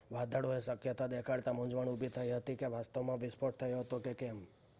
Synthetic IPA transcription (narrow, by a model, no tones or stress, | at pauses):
ʋad̪ʱəɽoesəkjət̪ad̪ekʰaɽt̪amʊ̃d͡ʒʋəɳubʱit̪ʰəiɦət̪ikeʋast̪əʋmãʋɪspʰoʈ̚t̪ʰəjoɦət̪okekɛm